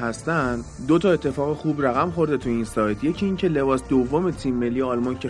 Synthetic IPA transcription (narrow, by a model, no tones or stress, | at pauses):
ɦæst̪ænd̪d̪ot̪ʰɒe̞t̪ʰːe̞fɒːɣexuːbræɣæmχo̞ɾd̪et̪ʰuinsɒːjt̪ʰje̞cʰiiːŋcʰe̞le̞bɒːsd̪ovːomet̪ʰimːelːijeɒlmɒncʰe